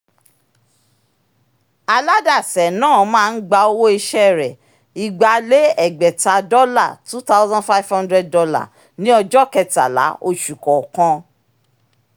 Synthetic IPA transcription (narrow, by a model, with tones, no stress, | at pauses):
a˧la˦da˦˨sɛ˨nãː˦˨mãː˦˧n̩˦ɡ͡ba˧o˧wo˦i˧ʃɛ˦ɾɛ˨ | i˨ɡ͡ba˧le˨˦ɛ˨ɡ͡bɛ˨ta˨dɔ˦la˦˨tu˦ta˦ʊ˦zã˦fa˦vhã˦ndɾɛ˦d̚dɔ˧la̰˦˨ | nĩ˨˦ɔ˧d͡ʒɔ˦kɛ˧ta̰˨la̰˨˦o˧ʃu˨kɔ˨kã˧